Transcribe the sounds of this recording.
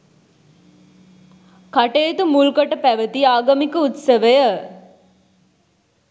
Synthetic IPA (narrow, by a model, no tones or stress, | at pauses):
kaʈeːt̪umulkoʈəpæʋət̪iaːɡəmikəut̪səʋəjə